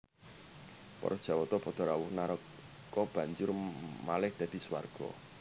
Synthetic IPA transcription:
pɔ̰ɾɔd̥ʒ̥ä̤wɔt̪ɔpɔd̪̥ɔ̤ɾawʊhnaɾɔ | kːɔb̥ä̤ɲd͡ʒʊrmalɪhd̪̥äd̪̥i̤swa̰rɡ̥ɔ̰

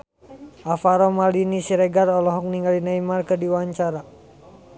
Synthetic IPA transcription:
ʔafaɾɔmalinisiɾɛɡarɔlɔɦɔk̚niŋɡalinaimarkərdiwaɲt͡ʃaɾa

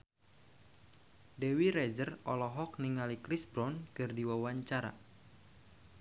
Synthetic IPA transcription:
dewiɾɛzərɔ̰lɔɦɔk̚niŋalikɾisbɾɔnkɨrdiwawaɲt͡ʃaɾa̰

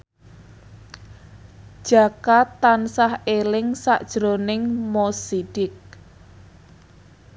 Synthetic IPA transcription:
d̥ʒ̥a̤kat̪ːansahelɪŋsaʔd̥ʒ̥ɾonɪŋmosiɖ̥ɪk̚

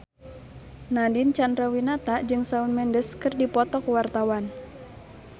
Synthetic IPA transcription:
nadɪnt͡ʃandɾawinat̪aʔd͡ʒɨŋsaunmɛndəskɨrdipɔt̪ɔkwart̪awan

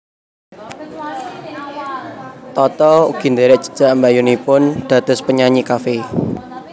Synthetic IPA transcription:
t̪ɔt̪ɔṵɡ̥i̤nd̪eɾɛʔdd͡ʒ̥ə̤̥d̥ʒ̥a̤ʔmbajunipʊnd̪̥a̤d̪̥ʊ̤spəɲaɲikafe

